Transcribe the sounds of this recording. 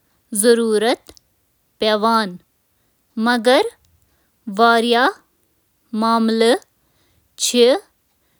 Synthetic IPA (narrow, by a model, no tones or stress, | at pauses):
zɐɾuːɾət̪ | peʋaːn | mɐɡɐɾ | ʋaːɾjaː | maːmlə | t͡ʃʰi